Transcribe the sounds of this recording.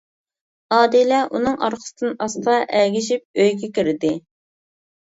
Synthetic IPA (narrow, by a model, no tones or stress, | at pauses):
ɑːd̪ilɛʔunɨŋɑ̰ɾqʰə̥sd̪ɨnɑst̪ɑʔɛɡʲiʃip̚øjɡʲɛkʲiɾɪd̪ɪ